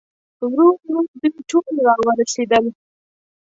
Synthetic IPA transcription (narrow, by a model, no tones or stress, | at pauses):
wɾuɾɾuɾd̪əiʈolɾɑwəɾased̪əl